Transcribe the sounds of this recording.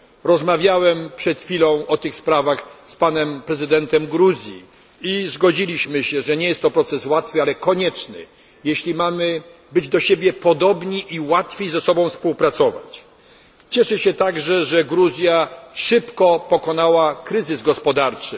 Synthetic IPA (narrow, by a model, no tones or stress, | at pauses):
ɾɔzmavʲjawɛmpʂɛt̪xfʲilɔ̃w̃ɔt̪ɘxspɾavaxspanɛmpɾɛzɘd̪ɛnt̪ɛmɡɾuzʲjḭ | izɡɔd͡ʑilʲiɕmɘɕɛʐɛɲɛjɛst̪ːɔpɾɔt̪sɛswat̪fɘalɛkɔɲɛt͡ʂnɘ̰ | jeɕlʲimamɘ | bɘd͡ʑd̪ɔɕebʲjɛpɔd̪ɔbɲiʔiwat̪fʲjejzɛsɔbɔ̃w̃fspuwpɾat̪sɔva̰t͡ɕ | t͡ɕɛʂɛɕɛt̪aɡʐɛʐɛɡɾuzʲjaʂɘpkɔpɔkɔnawakɾɘzɘzɡɔspɔd̪aɾt͡ʂɘ